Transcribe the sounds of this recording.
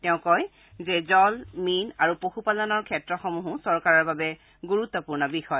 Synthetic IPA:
tɛʊ̃kɔj | zɛzɔlminaɹupoxupalɔnɔɹkʰɛtɹɔxɔmuɦʊ̃sɔɹkaɹɔɹbabɛ | ɡuɹut̪ːɔpuɹnɔbixɔj

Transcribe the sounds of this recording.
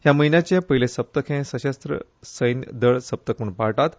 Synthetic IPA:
jaməinjat͡ɕepəɦilesəp̚t̪əkʰẽsəɕəst̪ɾə̰səjnə̰d̪əɭsəp̚t̪əkʰuɳpaɭʈat̪

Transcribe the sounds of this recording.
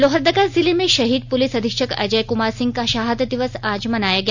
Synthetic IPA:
lɔɦəɾd̪ɐɡaɾzilemẽʃɐɦiːd̪̚pulisɐd̪ʱikʃəkɐ̰d͡ʒɐjkumaɾsĩŋɡkaʃaːɦəd̪d̪iʋəsaːd͡ʒmɐnajaɡja

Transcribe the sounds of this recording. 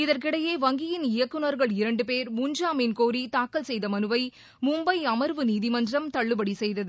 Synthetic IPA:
ɪðɐrk̬ɪɽɐjeːʋɐŋɡɪjɪnɪjɐkːɯnɐɾɣɐɭɪɾɐɳɖɯpeːɾmʊɲd͡ʒaːmeːnkoːɾit̪aːkːɐlsɛjðɐmɐnɯʋɐɪ | mʊmbɐɪɐmɐɾʋɯniːðimɐndɪrɐmt̪ɐɭːɯbɐɽisɛjðɐðɯ

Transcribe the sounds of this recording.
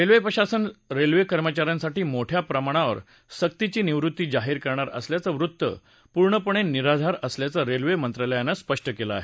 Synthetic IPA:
ɾelʋepɾəɕasənɾelʋekəɾmət͡ɕaɾjãnsaʈiːmoʈʰjapɾəmaɽ̃aʋə̰ɾ | sək̚t̪it͡ɕiːniʋɾut̪ːiːd͡zaɦiːɾkəɾɳaɾə̰sljat͡səʋɾut̪ːə̰ | puɾɳəpuɳ̃eniɾad̪ʱaɾəsljat͡səɾelʋemənt̪ɾaləjanːaspəʂʈəkela̰ːɦe

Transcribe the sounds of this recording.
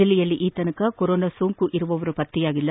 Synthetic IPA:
ɐlijɐlːiʔiːt̪ɐnɐkɐkɔɾoːnɐsuːŋkuʔiɾuʋɐʋɐɾupɐt̪ːijaːɡilːɐ

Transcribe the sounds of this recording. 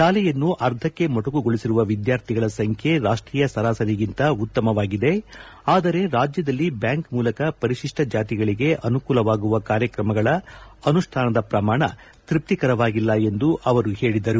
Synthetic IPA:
ʃaːlɛjɐnːuʔɐɾd̪ʰʱɐkːe̞mɔʈuɡuɡoɭisiɾuʋɐʋid̪jaːɾt̪ʰiɡɐɭɐsɐŋkʰje̞ɾaːʂʈɾiːjɐsɐɾaːsɐɾiɡint̪ɐut̪ːɐmɐʋaːɡid̪e̞ | aːd̪ɐɾe̞ɾaːd͡ʒjɐd̪ɐlːibjaːŋkmuːlɐkɐpɐɾiʃiʂʈɐd͡ʒaːt̪̬iɡɐɭiɡe̞ʔɐnukuːlɐʋaːɡuʋɐkaːɾjɐkɾɐmɐɡɐɭɐɐnuʂʈʰaːnɐd̪ɐpɾɐmaːɳɐ | t̪ɾip̚t̪ikɐɾɐʋaːɡilːɐe̞nd̪uʔɐʋɐɾuhe̞ːɭid̪ɐɾu

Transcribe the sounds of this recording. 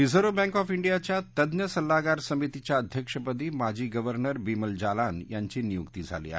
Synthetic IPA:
izʱəɾobɛ̃ŋkɔfiɳɖijat͡ɕjat̪əd̪njəsəlːaɡaɾsəmit̪it͡ɕjaəd̪ʱjəkʂəpəd̪iːmad͡ʑiːɡəʋəɾnəɾbiməld͡ʑalanjaɲt͡ɕiːnijukt̪iːd͡zʱa̰lḭa̰

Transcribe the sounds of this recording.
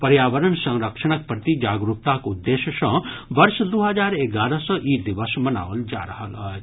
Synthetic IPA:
pɐɾjaːʋəɾənsɐ̃ŋɾəkʃɐɳ̃ɐk̚pɾət̪id͡ʒaːɡɾuk̚t̪akud̪ːeːʃəʃɔ̃ʋɐɾʃd̪uɦɐd͡ʒaːɾeɡaːɾəsə̃ʔid̪iʋəsmɐna̰ːʋəld͡ʒa̰ːɾɐɦələ

